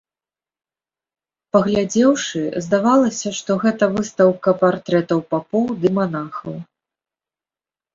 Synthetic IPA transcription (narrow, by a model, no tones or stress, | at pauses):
pɐɣlʲad͡zʲɛwʂɨzd̪avalˠɐsʲɐʂt̪ɔɣɛt̪ɐvɨst̪ɐwkɐpart̪ɾɛt̪ɐwpapɔwd̪ɨmanaxɐw